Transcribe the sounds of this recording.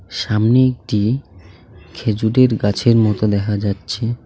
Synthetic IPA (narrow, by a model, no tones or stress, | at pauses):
ʃamneek̚ʈi | kʰed͡ʑuɖeɾɡat͡ɕʰeɾmɔt̪od̪ɛkʰad͡ʑatːɕʰe